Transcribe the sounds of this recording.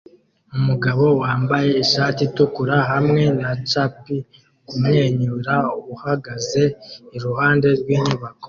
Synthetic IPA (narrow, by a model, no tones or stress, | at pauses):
umuɡaβo̞waːmbaje̞iʃaːtitukuɾaɦamŋe̞nat͡ʃapi | kumŋe̞ːɲuɾauβuhaɡaze̞iɾuhaːnde̞ɾɡwiːɲuβako̥